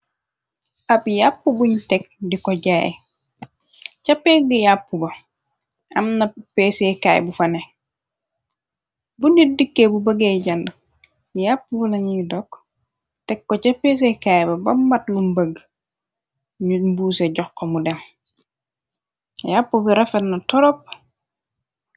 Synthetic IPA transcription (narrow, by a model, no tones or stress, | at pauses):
ʔɐpjapːubuɲtɛk̚dikɔɟaːj̰ | cɐpɛɡijapːubɐ | ɐmnɐpesekaːj̰bufɐnɛ | bunidikːebubɐɡeːɟɐndə | japːubɐlɐɲujdɔk | tɛkːɔcɐpes̬ekajbɐbɐmːɐtlumbɐɡ | ɲumbuːsɛɟɔxːomudɛm | japːubiɾɐfɛtnɐtɔɾɔp̚